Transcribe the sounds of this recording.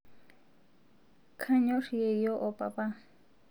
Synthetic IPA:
kʰaɲoʂjejoʔopapa

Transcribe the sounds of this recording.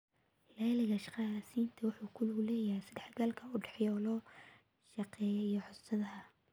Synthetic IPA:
lɛːlɪɣɐʃqɑsiːnt̪ʰɐwʊħuːkʰʊlʊlɛːjɐhɛjsɐd̪ɛħɡɐlkʰɐʊɖɛħjɔlɔː | ʃɑqɛːjɔijɔħʊsʰɐðɐɦɐ

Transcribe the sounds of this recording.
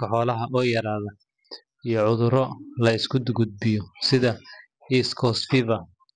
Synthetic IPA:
ɐħɔːlɐɦɐʔɔːjɐɾaːðɐ | ijɞʕʊðʊɾɔlɐɪskʰʊd̪ɡʊd̪̚bɪjɔsɪðɐ | iːskʰɔːsfɪvɐ

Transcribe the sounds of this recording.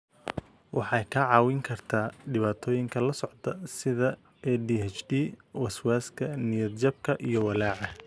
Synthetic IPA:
wɑħɑjkʰɐʕɑːwɪŋkʰɐrt̪ʰaːɖɪβaːt̪ʰɔːjɪŋkʰɐlɐsɔʕt̪ʰɐsɪðɐ | ɛdiɛt͡ʃdiːwɐswaːskʰɐnɪjɐd̪̚d͡ʒɐb̚kʰɐʔijɞwɐlaːʕɑ

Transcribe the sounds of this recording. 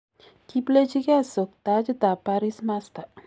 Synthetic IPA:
kiplet͡ɕiɡasək̚t̪ad͡ʑd̪apaɾismast̪a

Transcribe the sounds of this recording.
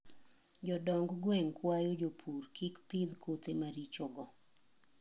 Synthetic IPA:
d͡ʒɔdɔŋɡɡwɛŋkwajod͡ʒopʰurkikpid̪kʰot̪emaɾit͡ʃoɡɔ

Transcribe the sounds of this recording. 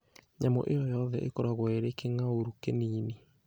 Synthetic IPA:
ɲamɔ̰ʔejɔjɔðɛʔekɔɾaɣwaeɾekeŋaoɾukeniːni

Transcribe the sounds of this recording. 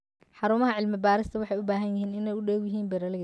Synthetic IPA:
ħɑɾʊmɐɦɐʕɪlmɪbaːɾɪst̪ʰɐwɑħɑjʊbaːɦɐnjɪɦiːnɪnɛjʊɖɛːɡjɪɦiːmbɛrɐlɪ

